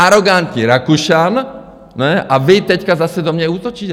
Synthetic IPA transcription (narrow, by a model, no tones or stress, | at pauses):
aɾɔɡant̪ɲiɾakuʃan | nɛʔavit̪ɛckazasɛd̪ɔmɲɛuːt̪ɔt͡ʃiːc